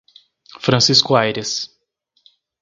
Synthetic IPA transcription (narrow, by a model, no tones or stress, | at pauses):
fɾɐ̃siskʊajɾɪs